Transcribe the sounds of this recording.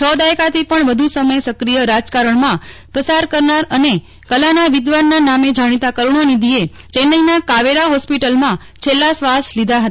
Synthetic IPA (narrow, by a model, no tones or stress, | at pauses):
t͡ʃʰɔd̪ajkat̪ʰipəɳʋəd̪ʱusəməjsəkɾijəɾad͡ʒkaɾəɳmãpəsaɾkəɾnaɾəne | kəlanaʋɪd̪ʋanːanamed͡ʒaɽ̃it̪akəɾuɳ̃onid̪ʱiet͡ʃenːəinakaʋeɾaɦɔspiʈəlmã | t͡ʃʰelːasʋaslid̪ʱaɦət̪a